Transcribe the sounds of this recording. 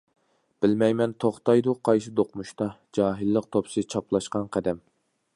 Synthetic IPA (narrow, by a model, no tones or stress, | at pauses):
b̥ɪlmɛjmɛnt̪ʰoχt̪ɑjd̪uqʰɑjʃɨd̪oqmuʃt̪ɑd͡ʒɑːɦɪlˠːəq̚t̪ʰopsɨt͡ʃʰɑplˠɑʃqɑnqʰæd̪ɛm